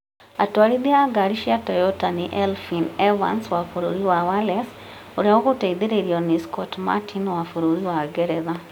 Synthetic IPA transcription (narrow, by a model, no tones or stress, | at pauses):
atwaɾid̪iaɡaɾiʃiatɔjɔtanɪʔɛlfinɛva̰nswafoɾoɾiwawalɛs | oɾeokoteid̪eɾeɾiɔniskɔtma̰tinwafoɾoɾiwaɡɛɾɛða